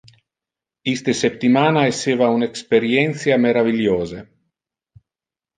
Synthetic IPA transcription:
ist̪esep̚t̪imaːnaeseːvaunekspeɾjɛnt̪sjameɾaviljoːze

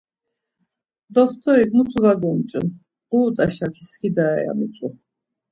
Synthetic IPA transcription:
d̪ɔχt̪ʰʼɔiɡmut͡sʰuɡaɡɔmt͡ʃʼṵ | quːt̪ʼaʃakʰiskʰid̪aɛ̰ja̰mut͡sʼu

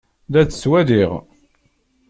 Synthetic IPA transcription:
ðæt͡sːswæðiʁ

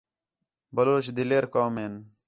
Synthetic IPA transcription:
bɐloːɕd̪ileːɾkaːmeːn

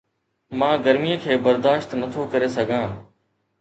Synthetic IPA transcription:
mãːɡəɾmijəkʰeːbəɾd̪aːʃt̪nət̪ʰokɐɾesɐɡʱãː

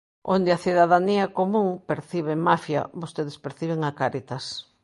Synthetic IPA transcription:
õ̰nd̪eaθiðaðaniakomũŋpeɾθiβ̞emafja̰bost̪eðespeɾθiβeŋakaɾit̪ɐs

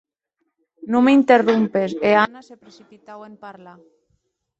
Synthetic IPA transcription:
nũmeint̪erumpeseanasepɾeθipit̪awempaɾla

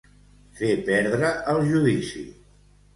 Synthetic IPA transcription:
fepɛɾðɾəəlˠʒuðisḭ

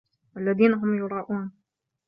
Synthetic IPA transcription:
ʔalːaðiːnaɦʊmjʊɾˤɑːʔuːn

